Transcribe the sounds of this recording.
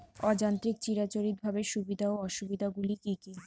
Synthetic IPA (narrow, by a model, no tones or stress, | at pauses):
ɔd͡ʑant̪ɾik̚t͡ɕiɾat͡ɕoɾit̪̚bʱabeʃubid̪ʱaoɔʃubid̪ʱaɡulikiki